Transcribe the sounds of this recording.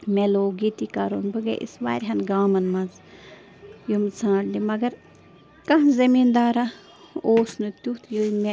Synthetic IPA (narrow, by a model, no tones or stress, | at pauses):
meloːɡit̪ikɐɾo̰ːnbɨɡḛʔḭsʋa̰ːɾʲɦɐnɡaːmɐnmɐz | jomt͡sʰãːɽlimɐɡɐɾ | kɐɦzɐmiːnd̪aːɾa | oːsnɨt̪ʲut̪ʰjoimʲe